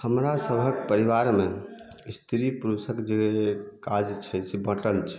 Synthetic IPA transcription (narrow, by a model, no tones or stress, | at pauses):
həmɾasəbʱəkpəɾiβaɾme | ist̪ʰiɾipɾusəkd͡ʒekad͡ʒt͡ʃʰɛsebəʈəlt͡ʃʰɛ̥